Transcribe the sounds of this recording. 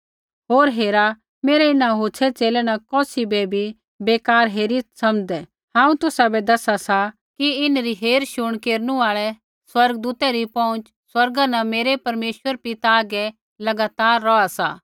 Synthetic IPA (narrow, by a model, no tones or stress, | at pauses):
ɦoːɾɦeːɾa | meːɾɛɪnãɦoːt͡ʃʰɛt͡seːlɛnɐkɔːsibɛbʱi | beːkaːɾɦeːɾisɐmd̪ɛ | ɦãːũt̪ʊsabɛd̪ɐsasa | kiɪnɾiɦeːɾʃʊɽ̃keːɾnũaːɭɛ | swɐɾɡd̪uːt̪ɛɾipɔ̃ʊ̃nt͡ʃ | swɐɾɡãnɐmeːɾɛpɐɾmeːʃwəɾpɪt̪aːɡɛ | lɐɡaːt̪aːɾːɔasa̰ː